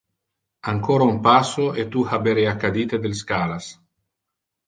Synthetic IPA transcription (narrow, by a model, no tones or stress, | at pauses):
aŋkoːɾaumpasoet̪uhabeɾeakːad̪iːt̪ed̪elskaːlas